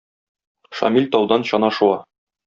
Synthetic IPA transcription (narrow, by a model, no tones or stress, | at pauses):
ʃɒ̰milʲt̪ɒwd̪ɑnɕɒnɑʃuɑ